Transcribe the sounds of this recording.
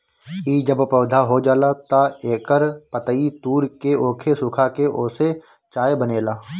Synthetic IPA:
iːd͡ʒəbpəːd̪ʱaɦod͡ʒaːlat̪aeːkəɾpət̪əit̪uːɾkeoːkʰesʊkʰakeʔoːse | t͡ʃaːebəneːlaː

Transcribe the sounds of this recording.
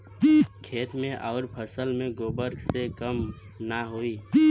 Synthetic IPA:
kʰeːt̪mẽʔɔːɾpʰəsəlmẽɡoːbəɾɡsekəm | naɦoiː

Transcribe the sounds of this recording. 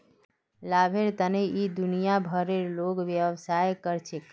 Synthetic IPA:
labʱeɾt̪əneid̪unijabʱəɾeɾloɡʋjəʋsajkəɾt͡ʃʰek

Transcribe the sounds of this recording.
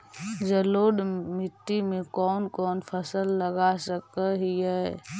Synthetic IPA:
d͡ʒəloːɖmɪt̪ːimẽkɔːnkɔːnpʰəsəlːəɡasəkəɦiɦɛ

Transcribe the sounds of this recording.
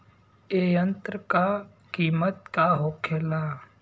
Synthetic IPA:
eːjə̃nt̪ɾəka | kiːmət̪̚kaɦoːkʰeːla

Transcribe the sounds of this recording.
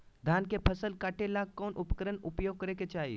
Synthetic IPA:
d̪ʱaːnkepʰəsəlkaːʈelaːɡ̚kɔːnʔʊpkəɾənʊpjoːɡ̚kəɾeket͡ʃaːɦḭ

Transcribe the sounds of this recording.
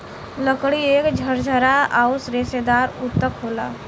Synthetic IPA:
ləkɽieːkd͡ʒʱəɾd͡ʒʱəɾaaːusɾesed̪aːɾʊt̪ːəkɦoːla̰ː

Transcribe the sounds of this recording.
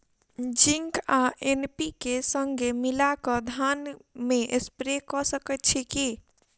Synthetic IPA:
d͡ʒiŋkaʔenpikesəŋɡʱemilakəd̪ʱanmeʔespɾekɔsəkətt͡ʃʰiki

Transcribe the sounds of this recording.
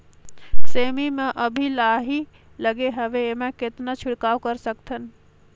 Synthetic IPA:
seːmimẽʔəbʱilaːɦi | ləɡeɦəʋemẽket̪nat͡ʃʰɪɽkaːwkəɾsək̚t̪ʰən

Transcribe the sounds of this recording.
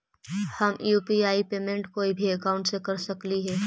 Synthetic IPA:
hɐmjuːpiaːipeːmẽɳʈkoːibʱiɐkaːʊ̃ɳʈsekɐɾsɐkliɦɛː

